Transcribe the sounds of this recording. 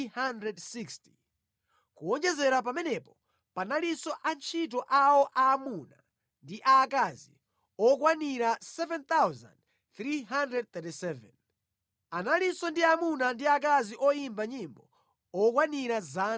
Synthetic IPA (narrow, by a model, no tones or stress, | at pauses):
handɾɛdsiksti̥ | kuɔnd͡ʒɛzɛɾap̬amɛnɛpɔ | panalisɔʔant͡ʃʰit̬ɔʔawɔʔaːmuna | ndiʔakazḭ | ɔkwaniɾasɛvɛnt̪awza̰nd | θɾiɦandɾɛd̚t̪ɛtisɛvɛ̰n | analisɔndiamunandiak̬aziʔɔjimbaɲimbɔ | ɔk̬waniɾaza